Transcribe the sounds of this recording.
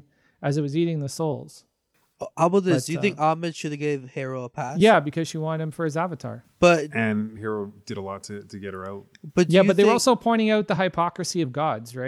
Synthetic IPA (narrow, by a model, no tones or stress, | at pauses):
ɨzɨt̚wʌziɾɪ̃ŋðɨsoʊlˠz̥ | ʔabʌðɪsd̥ɨjɨθɪ̃ŋkɑmɨdʃɨðiɡeɪvhɛɹoʊəpʰæsjæbɨkʰʌz̥ʃiwɑ̃nɨd̚ɨ̃ɱfə˞ɨzævɨtʰɑ̰ɹb̥ʌt̚ɨ̃nhɛɹoʊd̥ɨɾəlɔtʰɨtʰɨɡɛɾ̚ə˞aʊt̚b̥ʌt̚jæbʌðewə˞ɔlˠsoʊpʰɔ̃ɪ̃ɾ̃ɪ̃ŋaʊt̪̚ðəɦaɪpʰɑkɹɨsiʌvɡɑdzɹaɪ